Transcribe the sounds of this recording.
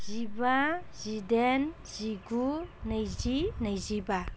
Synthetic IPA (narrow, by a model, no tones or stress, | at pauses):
zibazidɛn | z̥iɡunəjzinəjziba